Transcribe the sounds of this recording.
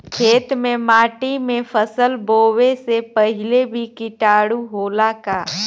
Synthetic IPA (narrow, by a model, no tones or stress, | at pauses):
kʰeːt̪mẽmaːʈimẽpʰəsəlboːwesepəɦɪlebʱikɪʈaːɽuɦoːlakaː